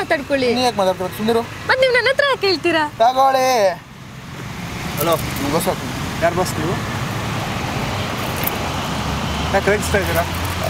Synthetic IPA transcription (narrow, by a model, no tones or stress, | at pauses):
aːt̪aːɖkoɭinijaːk̚maːt̪aːɽt̪iɾat̪sund̪iɾumɐt̪niːʋunɐnɐnt̪ɾɐjaːkɦeːɭt̪iɾat̪aːɡaɽe | ɦɐloːmɡosak̪unjaːɾbasniʋu | jaːkɾeɡst̪aɡt̪iɾa